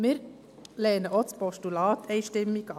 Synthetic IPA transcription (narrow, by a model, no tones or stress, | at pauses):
əɾ | leːnəʔɔt̪spɔʃʈʉlɑːt̪ʰeɪʃʈɪmːikɑ